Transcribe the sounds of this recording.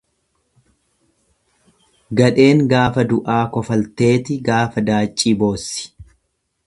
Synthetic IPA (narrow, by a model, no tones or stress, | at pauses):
ɡɐᶑe̞ːŋɡaːfɐd̪ʊʔaːkɔfɐlt̪e̞ːt̪ɪɡaːfɐd̪aːt͡ʃʼːiːbo̞ːsːɪ̥